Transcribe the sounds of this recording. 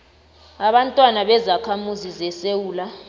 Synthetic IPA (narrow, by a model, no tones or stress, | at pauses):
aɓantʼwanaɓɛzakʰamuzizɛsewuːla